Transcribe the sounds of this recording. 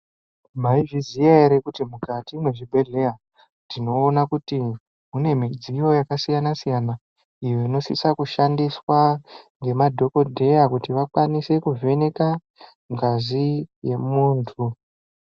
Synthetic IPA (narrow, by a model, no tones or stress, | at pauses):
maiʐizijaeɾekutimukatino̞ʐibʱe̞ɮe̞ja | tino̞ːnakuti | mune̞mid͡zijo̞jakasijanasijana | ijoino̞sḭsakuʃandiswaŋɡe̞madʱo̞ko̞dʱe̞jakutiʋakwanise̞kuvʱe̞ne̞ka | ŋɡazije̞muːntʰu